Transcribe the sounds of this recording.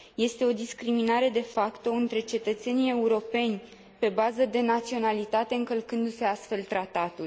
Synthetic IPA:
je̞st̪e̞o̞d̪iskɾiminaɾe̞d̪e̞fakt̪o̞ɨnt̪ɾe̞t͡ʃe̞t̪ət̪se̞nie̞uɾo̞pe̞nʲ | pe̞bazəd̪e̞nat̪sio̞nalit̪at̪e̞ɨŋkəlkɨnd̪use̞ast̪fe̞lt̪ɾat̪at̪ul

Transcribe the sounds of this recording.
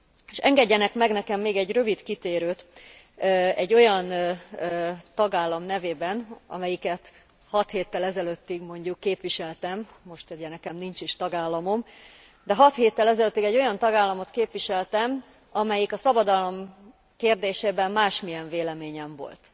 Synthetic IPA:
eʃɛŋɡɛɟːɛnɛkmɛɡnɛkɛmːeːɡɛɟrø̞vit̪kit̪eːɾøːt̪ | ɛɟːo̞jɒnː | t̪ɒɡaːlːɒmnɛveːbɛnɒ̰mɛjikɛt̪ | hɒt̪heːt̪ːɛlɛzɛløt̪ːiɡmo̞ɲɟukːeːpʋiʃɛlt̪ɛm | mo̞ʃt̪ɛjɛnɛkɛmnint͡ʃiʃt̪ɒɡaːlːɒmo̞m | d̪ɛɦɒt̪heːt̪ːɛlɛzɛløt̪ːiɡɛɟːo̞jɒnt̪ɒɡaːlːɒmo̞t̪keːpʋiʃɛlt̪ɛm | ɒmɛjikɒsɒbɒd̪ɒlo̞m | keːrd̪eːʃeːbɛmːaːʃmijɛɱveːlɛmeːɲɛɱvo̞̰lt̪

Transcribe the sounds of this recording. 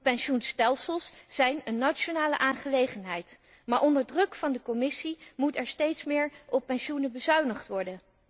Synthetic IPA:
pɛnʃunstɛlˠsəlˠsz̥ɛjnənːat͡ʃonaːlə̰ʔaːnχəlejχənɦɛjt | maːɹʔɔndəɹdrɵkfɑndəkɔmɪsimutɛɹstejtsmɪːɹʔɔpːɛnʃunəbəzœɥnəχtʋɔɹdən

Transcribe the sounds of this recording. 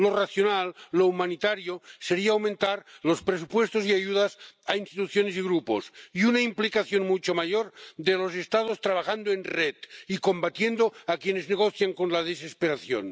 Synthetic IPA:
loraθjonalːoumanit̪aɾjoseɾiaːwmẽnt̪aɾlospɾesupwest̪osiaʝuðasainst̪it̪uθjonesiɣɾuposiunaimplikaθjonmut͡ʃomaʝoɾd̪elos̬est̪að̞ost̪ɾaβ̞axand̪oenret̪ikombat̪jend̪oakjenezneɣoθjaŋkonlaðesespeɾaθjo̰n

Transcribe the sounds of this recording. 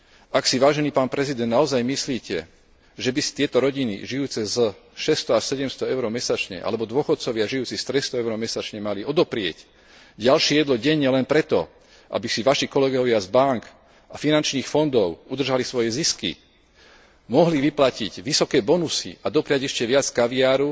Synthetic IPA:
aksiʋaːʒɛniːpaːnpɾɛzid̪ɛnd̪naɔzajmisliːcɛ | ʒɛbisi̥t̪ɪɛt̪ɔɾɔɟinḭʒiuːt͡sɛzʃɛst̪ɔasɛɟɛmst̪ɔɛʊɾɔmɛsat͡ʃɲɛ̰ʔa̰lɛbɔd̪ʊɔxɔt̪̚t͡sɔʋɪaʒijuːt͡sist̪ɾɛst̪ɔɛʊɾɔmɛsat͡ʃɲɛmaliɔd̪ɔpɾɪɛ̰c | ɟalʃijɛd̪lɔɟɛɲːɛlɛnpɾɛt̪ɔ | ʔa̰bisiʋaʃikɔlɛɡɔʋɪazbaŋk | afinant͡ʃniːxfɔnd̪ɔʊud̪r̩ʒalisʋɔjɛziskḭ | mɔɦliʋiplaciɟʋisɔkɛːbɔnusḭad̪ɔpɾɪaɟɛʃcɛʋɪat͡skaʋiaːɾu

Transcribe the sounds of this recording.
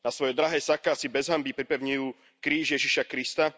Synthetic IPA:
nasʋɔjɛd̪ɾaɦɛːsakasibɛzɦambipɾipɛʊɲijuː | kɾiːʒjɛʒiʃakɾist̪a

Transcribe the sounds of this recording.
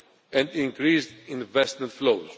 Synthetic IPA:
ɛ̃nd̪ĩŋkɾisdĩnvɛst̪mẽnt̪flowz

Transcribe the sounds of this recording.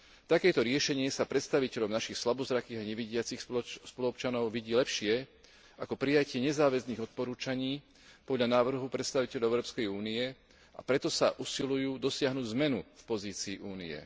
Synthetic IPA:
t̪akɛːt̪ɔɾɪɛʃɛɲɪɛsapɾɛt̪st̪aʋicɛʎɔʊnaʃixslabɔzɾakiːɣaɲɛʋiɟɪat͡sixspɔluɔpt͡ʃanɔʊʋiɟiːlɛpʃɪɛ | akɔpɾijacɪɛɲɛzaːʋɛzniːɣɔt̪̚pɔɾuːt͡ʃaɲiː | pɔd̪ʎanaːʋr̩ɦupɾɛt̪st̪aʋicɛʎɔʊɛʊɾɔːpskɛjuːniɛ | a̰pɾɛt̪ɔsaʔusilujuːd̪ɔsɪaɦnuːɟzmɛnufpɔziːt͡siːʔuːnḭjɛ̰

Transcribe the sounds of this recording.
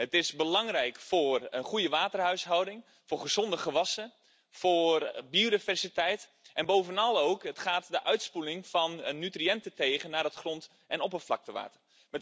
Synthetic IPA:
ətɪsbəlɑŋrɛjkfoːrənχujəʋaːtərɦœɥsɦɔwdɪŋ | fʊːrχəz̥ɔndəχəʋɑsə | forbiodivɛrsitɛjt | ʔɛnboːvənɑlˠowkətχaːtdəʔœɥtspulɪŋfɔnənːytriɛntəteːɣənːaːrətχrɔnt | ʔɛnɔpəflɑ̰k̚təʋa̰ːtər | mɛt

